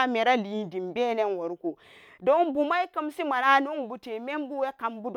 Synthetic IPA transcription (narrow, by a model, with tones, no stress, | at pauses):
a˦me˨ɾa˦li˨˦di˨mbe˦ne˦nwo˨ɾku˨ | do˦nbu˨ma˦i˦kə˦msi˦ma˨na˦nu˦n˨bu˨te˨me˦mbu˦we˦ka˨mbu˦d